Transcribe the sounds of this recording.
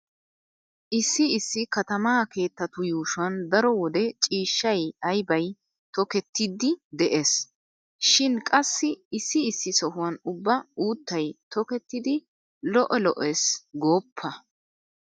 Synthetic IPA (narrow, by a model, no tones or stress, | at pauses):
ʔɪsːɪɪsːɪkɐt̪ɐmaːke̞ːt̪ːɐt̪ʊjuːʃʊɐnd̪ɐɾɔwɔd̪ɛt͡ʃʼiːʃːɐjɐjbɐj | t̪ɔkɛt̪ːɪd̪ɪd̪ɛʔes | ʃɪnkʼɐsːɪɪsːɪːsːɪsɔhʊwɐnʊbːɐuːt̪ːɐjt̪ɔkɛt̪ːɪd̪ɪ | lɔʔɔlɔʔesɡo̞ːpʰːɐ